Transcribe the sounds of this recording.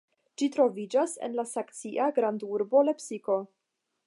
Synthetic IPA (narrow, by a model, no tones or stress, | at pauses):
d͡ʒitɾo̞vid͡ʒasḛnlasakt͡siʔaɡɾanduɾbo̞le̞psiko̞